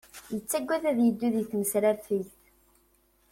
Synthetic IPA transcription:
jət͡sːæɡʷːæðæðjəd̪ːuðjθməsɾæɾfilθ

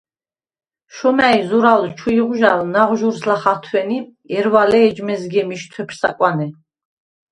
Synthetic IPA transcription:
ʃɔmæizuɾalt͡ʃʰuiʁuʒalnaʁʒuɾslaχat̪ʰwɛni | ɛɾwalɛːd͡ʒmɛzɡɛmiʃt̪ʰwɛpʰsa̰kʼwanɛ

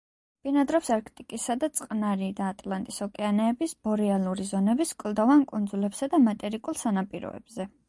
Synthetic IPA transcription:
b̥inad̪ɾɔpsaɾkʰt̪ʼikʼisad̪at̪sʼqʼnaɾid̪aːt̪ʼlˠant̪ʼisɔkʼɛanɛːbisbɔɾialˠuɾizɔnɛbiskʼlˠd̪ɔvankʼund̪zulɛbsad̪amat̪ʼɛɾikʼulˠsanapʼiɾɔ̰ɛ̰bzɛ

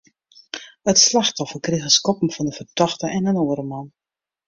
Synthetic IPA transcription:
ətslaxtɔfərkrixəskɔpəm̩fɔndəfərtɔxtəʔɛnənoːəɾəman

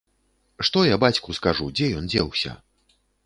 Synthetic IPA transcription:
ʂt̪ɔjabat͡sʲkuskaʐud͡zʲɛjɔnd͡zʲɛwsʲɐ̰

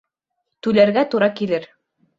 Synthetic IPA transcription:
t̪ʉlæɾɡæt̪uɾɑkilɘɾ

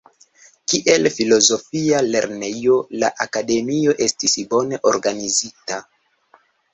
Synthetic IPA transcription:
kiʔe̞lfilo̞zo̞fiale̞ɾne̞jo̞laʔakade̞mio̞ʔe̞stisbo̞ne̞ʔo̞ɾɡanizita

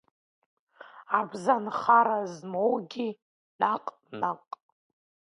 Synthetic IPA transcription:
abzanχaɾazmowɡʲi | naqʼ | naqʼ

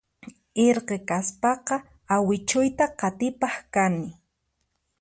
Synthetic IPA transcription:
eɾqekaspɑqɑ | awɪt͡ʃʊjt̪aqɑt̪ɪpɑχkanɪ

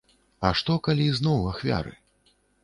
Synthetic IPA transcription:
ɐʂt̪ɔkalʲiznɔwaxvʲa̰ɾɨ̰

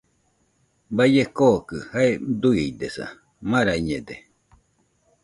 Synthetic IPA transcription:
bajekokɯhaed̪uid̪esa̰ | maɾaiɲed̪e

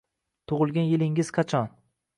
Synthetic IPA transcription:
t̪ʰʊʁɨlˠɡʲanjɪlɪŋɪz̥qʰɑt͡ʃʰɒn

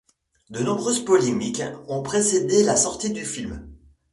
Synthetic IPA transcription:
d̪ənɔ̃bʁøzpɔlemikɔ̃pχesed̪elasɔʁt̪id̪yfilm

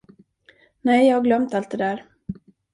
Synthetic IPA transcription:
nɛjjɑhaɡlœmt̪alt̪̚d̪ɛd̪æːɾ

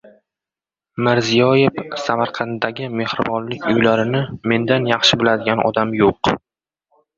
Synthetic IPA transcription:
mɪɾzijɒjefsamaɾqʰɑnt̪ːaɡʲɪme̞hɾɪbɒnlɪkʲʊjlaɾɪnɪme̞nd̪anjɑχʃɪbɪlad̪ɪɡʲanʔɒ̰d̪amjoq

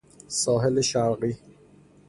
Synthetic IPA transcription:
sɒːɦeleʃaɾɢiː

